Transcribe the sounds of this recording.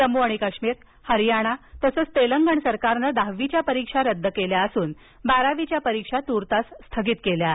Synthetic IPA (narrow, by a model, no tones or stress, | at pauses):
səmuaɽ̃ikəkʂmiːɾ | həɾjaɽ̃at̪əsəːt͡st̪eləŋɡəɳsəɾkaɾnəd̪aɦʋit͡ɕjapəɾikʂaɾəd̪ʱːəkeljaəsuːn | baɾaʋit͡ɕjapəɾikʂat̪uɾt̪assːt̪ʰəɡiːt̪kelja